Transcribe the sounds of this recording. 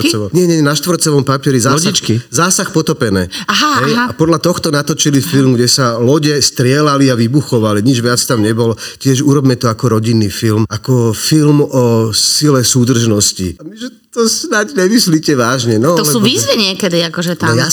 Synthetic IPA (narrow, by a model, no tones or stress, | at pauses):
t͡sɛɔmɲɛɲɛɲɛnaʃt̪ʋɔɾtt͡sɛʋɔmpapɪɛɾizaːt͡ʃkizaːsaxpɔt̪ɔpɛnɛːaɦaɦɛjapɔd̪lat̪ɔxt̪ɔnat̪ɔt͡ʃilifilmɡɟɛsalɔɟɛst̪ɾɪɛlaliaʋibuxɔʋaliɲid͡ʒʋɪat͡st̪amɲɛbɔlɔcɪɛʒuɾɔbmɛt̪ɔakɔɾɔɟinːifilmakɔfilmɔsilɛsuːd̪r̩ʒnɔscḭamiʒɛt̪ɔsnaɟɲɛmisliːcɛʋaːʒɲɛnɔɔsɛuʋiːzʋiɲɪɛkɛd̪iakɔʒɛt̪aaja